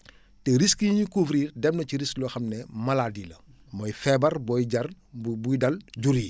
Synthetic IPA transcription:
tɛɾiskijiɲikufɾiːrdɛmnɐciɾisklɔxɐmnɛmɐladilɐ | mɔjfɛbɐrbɔjɟɐr | bujdɐlɟuɾi

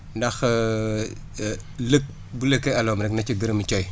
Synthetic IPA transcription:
ndɐx | lək̚ | buləkːeɐlɔːmɾɛknɐciɡəɾəmt͡ʃɔj

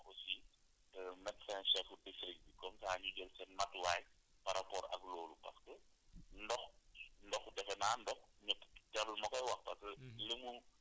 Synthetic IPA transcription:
osi | mɛtsɛnʃɛfudistrik̚dikɔmsaːɲuɟəlsɛnmɐtwaːj | paɾʔapɔːɾɐ̰klɔːlupɐ̰skəndɔxndɔxdɛfɛnaːndɔxɲɐptaləlmɐkɔjwɐxpɐskələmu

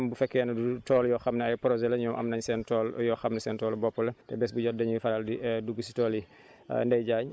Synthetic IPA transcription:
mbufɛkːɛnɐdutɔːljɔxɐmnɛɐjpɾɔzɛlɐɲɔmʔɐ̰mnɐɲsɛːntɔːljɔxɐmnɛsɛːntɔːlbɔpːɔlɐtɛ̰bɛsbuɟɔt̚dɐɲufɐɾaldiduɡusi̥tɔːlḭ | ndɐjɟaːɲ

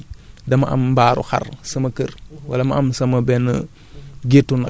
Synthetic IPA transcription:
dɐmɐ̰ʔɐ̰mbaːɾṵxɐ̰rsɐmɐkərwɐlɐmɐʔɐmsɐmɐbɛnɐ | ɡetːunɐ

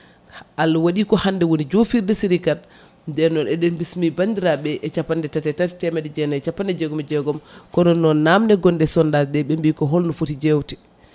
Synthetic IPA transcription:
ʔalːawaɗikɔhandɛwonid͡ʒofiɾdɛsiɾikal | ndɛɾnɔnɛɗɛnbismibandiɾaɓɛʔɛt͡ʃapːandɛtatɛtatɛ̥tɛmɛdɛd͡ʒɛnaɛt͡ʃapːandɛd͡ʒɛɡɔmɛd͡ʒɛɡɔmkɔnɔnːɔnːamnɛɡɔndɛsɔndaɗɛɓɛmbikɔɦolnɔfutid͡ʒewti̥

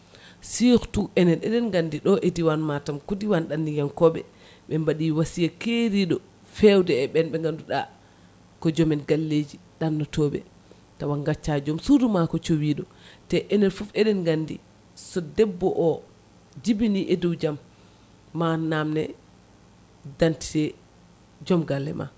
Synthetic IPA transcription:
sixtuʔɛnɛnɛ̰ɗɛnɡandiɗɔʔediwanmatamkudiwanɗandijamkɔɓɛ̰ | ɓɛmbaɗiwasijakeɾiɗɔ | fɛwdɛːɓɛnɓɛŋɡanduɗa̰ | kɔd͡ʒɔmɛnɡalːed͡ʒiɗanːɔtɔɓɛ̰ | tawaŋɡat͡ʃːad͡ʒɔmsudumakɔt͡ʃowiːɗɔ | tɛʔɛnɛɾfufɛɗɛnɡandḭ | sɔdɛbːɔʔɔ | d͡ʒibiniʔeduwd͡ʒamː | anːamnɛ | danti̥tɛ | d͡ʒɔmɡalːɛ̰ma̰

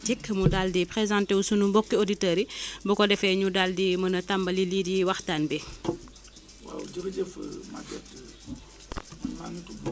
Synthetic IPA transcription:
tikːmudaldipɾezãnteusunumbɔkːioditəɾibɔkɔdɛfɛɲudaldimɐnɐtambɐlilidiwaxtanbɛ | wa̰w̰d͡ʒəkəd͡ʒəfə̰ma̰ɡɛt | mantub

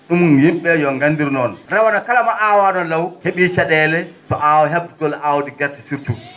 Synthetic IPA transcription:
ɗumunjimɓɛjɔŋɡandiɾnɔnɾawanakalamaʔawanɔlawheɓit͡ʃaɗɛːlɛtɔʔawɔɦɛbɡɔlʔawɔdiɡɛɾtḁsiɾtu

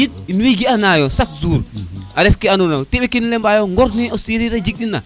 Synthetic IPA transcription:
jit̚inwiɡianajɔsaksuːɾʔaɾɛfkianunawtɛɓɛkinlɛmbajɔŋɡɔɾnɛɔsiɾiɾad͡ʒik̚ɗinːa̰

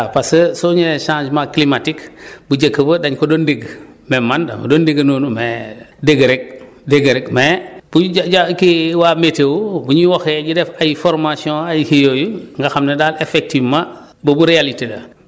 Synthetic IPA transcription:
apasəsoɲeʃãːd͡ʒmaklimatikbuɟekːəbədaɲkodondeɡ | memːanda̰mɐ̰dondeɡɐnoːnumedeɡəɾeɡ̚ | deɡəɾekmeb̥uɟakiwametewbuɲiwɔxɛɟidɛfajifɔɾmasiõajihijojuŋɡaxamnedalefek̚tivma | bəbuɾealiteda̰

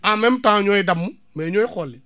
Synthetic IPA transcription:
amem̩tãɲoidamːu | meɲoikɔli

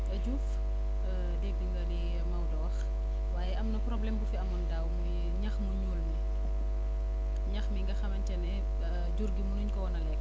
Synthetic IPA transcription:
ɐɟuf | dɛɡ̚diŋɡɐli | mɐwdɔwɐx | waːjɛɐmnɐprɔblɛmbufiɐmundaːwmu | ɲɐxmuɲuːlni | ɲɐxmiŋɡɐxɐmɐɲcɐnɛ | ɟuɾɡimunuːɲkɔwɔnɐlɛk

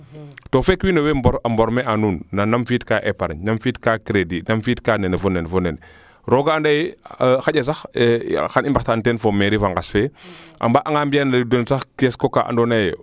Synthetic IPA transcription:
tofekwinowebamboɾmeanuːnːanamfiːtkaʔepaɾa̰ɲnamfiːtkakɾedinamfiːtkanenefonenfonen | ɾoɡaandajexaɟas̬axxanimbaxtantenfomeɾifaŋɡasfeʔa̰mbaʔaŋambijandadonsaxkeskokaʔa̰ndonaj

